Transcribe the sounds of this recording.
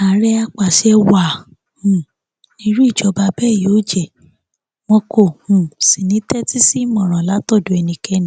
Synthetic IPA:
a˨ɾɛ˦a˧k͡pa˨ʃɛ˧wa˨ | hũ˨ | nĩ˧˦ɾu˦i˦˨d͡ʒɔ˨˦ba˧bɛ˦˨jo˨˦d͡ʒɛ˨ | mɔ̃˧ko˦˨hũ˨si˨nĩ˨˦tɛ˦ti˦si˦mɔ̃˨ɾ̃ɔ̃˨la˨˦tɔ˦˨do˨˦ɛ˧nĩ˧kɛ˧nĩ˦

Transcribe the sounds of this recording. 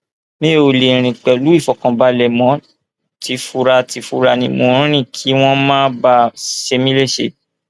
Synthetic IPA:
mẽ˦o˨le˨ɾ̃ĩ˨k͡pɛ˨lu˨˦i˦˨fɔ˨kã˨ba˧lɛ˨mɔ̃˨˦ | ti˨˧˦fu˧ɾa˧ti˨˧˦fu˧ɾa˧nĩ˧˦mo˧˨ɾ̃ĩ˦ɾ̃ĩ˦˨kʰi˨˦w̃ɔ̃˦mãː˦ba˧ʃe˧mĩ˦le˦˨ʃe˦˨

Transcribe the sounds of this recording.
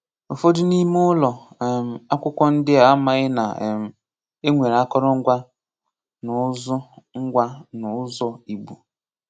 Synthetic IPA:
o˨fo˦dʊ˦ni˦m˦ʊ˦lɔ˨ | m̩˨a˦kʷʊ˦kʷɔ˦n̩˦dɪ˦a˨˦ma˦ɣɪ˦na˨m̩˨ | e˦ŋʷe˨ɾa˦kɔ˦ɾɔ˦ŋ̩˦ɡʷa˦ | nʊ˨˦zɔ˦ŋ̩˦ɡʷa˦nʊ˨˦zɔ˦i˨ɡ͡bu˨

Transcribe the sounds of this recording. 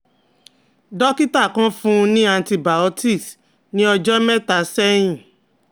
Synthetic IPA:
dɔ˦ki˦ta˦˨kã˦fũ˦˧nĩ˦ã˧nti˧ba˨o˦ti˦˨s | nĩ˨˦ɔ˧d͡ʒɔ˦mɛ̃˦ta˨˦sɛ˦j̃ĩ˦˨

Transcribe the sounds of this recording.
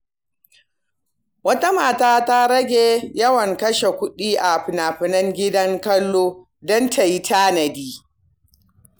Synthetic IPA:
wɐ˦ta˦maː˨taː˦ta˦ɾɐ˦ɡʲeː˨jɐ˦wɐ˨ŋkɐ˦ʃe˨kʷʊ˦ɗiː˦ʔa˨ɸɪ˨naː˨ɸɪ˨nɐ˦ŋɡʲɪ˦dɐ˦ŋkɐ˦lːoː˦ | dɔ˦ntʰa˨ji˦taː˦nɐ˨diː˦

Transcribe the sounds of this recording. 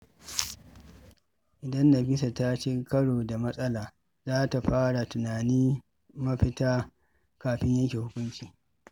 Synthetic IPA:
ʔɪ˨dɐ˦nːɐ˨ɸɪ˦sa˨ta˦t͡ʃeː˦kɐ˦ɽoː˨da˨mɐ˦sʼɐ˦laː˨ | zaː˦ta˨ɸaː˦ɽa˨tʊ˨naː˨niː˦ | mɐ˦ɸɪ˦taː˦ | kaː˨ɸɪ˦ɲjɐ˦ŋkʲeː˨hʊ˦kʷʊ˦nt͡ʃiː˨

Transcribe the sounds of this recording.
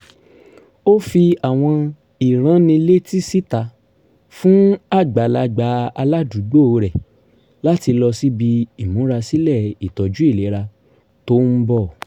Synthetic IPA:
o˦fi˧a˨w̃ɔ̃˧ | i˨ɾ̃ã˨˦nĩ˧le˦ti˦si˦ta˨˧˨ | fũ˦a˦˨ɡ͡ba˨˦la˧ɡ͡ba˨˦a˧la˦du˨˦ɡ͡bo˦˨˧ɾɛ˨ | la˦ti˧lɔ˧si˦bi˧i˨mũ˨˦ɾa˧si˦lɛ˦˨i˨tɔ˨d͡ʒu˨˦i˦˨le˨˦ɾa˧ | to˦n̩˦bɔ˦˨

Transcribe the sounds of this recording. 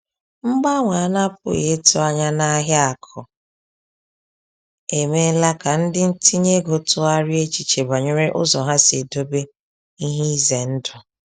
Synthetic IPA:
ŋ͡m̩˦ɡ͡ba˦ŋʷa˨a˦˨na˦p̚ʊ̰˦˨ɣe˨˦tʊ˦a˦ɲa˦na˦ɦja˦a˨kʰɔ˨ | e˨me˦la˦ka˨n̩˦dɪ˦n̩˦ti˦ɲe˦ɡo˨tʊ˦a˦ɾɪ˦e˦t͡ʃi˨t͡ʃe˨ba˨ɲe˦ɾe˦ʔʊ̰˦zɔ˨ɦa˦se˨do˦be˦ | i˦ɦi˦i˦ze˨n̩˦dʊ˨

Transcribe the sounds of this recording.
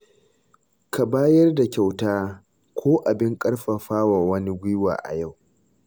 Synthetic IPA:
ka˨baː˦jɐ˦rda˨kʲa˨wtaː˦ | kʷʰoː˦ʔa˨bɪ˦ŋkʼɐ˦ɽɸa˨ɸaː˦wa˨wɐ˦ni˦ɡʷɪ˦wa̰ː˨ʔa̰˨ja˦˨w

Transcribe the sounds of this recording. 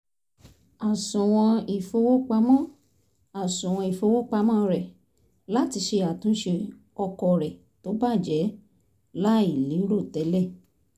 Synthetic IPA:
a˨sũ˨w̃ɔ̃˧i˨fo˧˦wo˦k͡pa˧mɔ̃˦˨ | a˨sũ˨w̃ɔ̃˧i˨fo˧˦wo˦k͡pa˧˦mɔ̃˦ɾɛ˨ | la˦ti˧ʃe˧a˨tũ˨˦ʃe˧ | ɔ˧kɔ˨ɾɛ˨ | to˨˦ba˦˨d͡ʒɛ˨˦ | la˦i˦˨lĩ˨˦ɾo˦˨tɛ˨˦lɛ˦˨

